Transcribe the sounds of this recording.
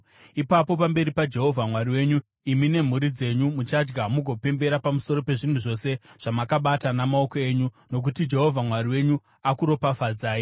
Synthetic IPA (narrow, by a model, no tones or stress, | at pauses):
ipapo̞pambe̞ɾipad͡ʒe̞ɦo̞vʱamwariwe̞ːɲu | imine̞m̤uɾid͡ze̞ɲumut͡ʃad͡ʒɡamuɡʱo̞pe̞mbe̞ɾapamuso̞ɾo̞pe̞ʐin̤uʐo̞se̞ʐ̥amakaɓatanamao̞koe̞ːɲu | no̞k̬utid͡ʒe̞ɦo̞vʱamwaɾiwe̞ɲu | akuɾopafad͡zaːji